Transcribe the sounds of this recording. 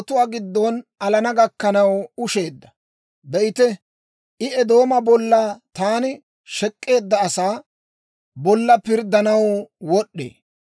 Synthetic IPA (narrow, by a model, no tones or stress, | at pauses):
t̪ʊwaːɡɪd̪ːɔnɐlɐnɐɡɐkːɐnɐwʊʃe̞ːd̪ːɐ̥ | bɛʔɪt̪ɛ | ʔɪɛd̪o̞ːmɐbɔlːɐt̪aːnɪ | ʃɛkʼːe̞ːd̪ːɐːsaː | bɔlːɐpɪɾd̪ːɐnɐwwɔɗːḛː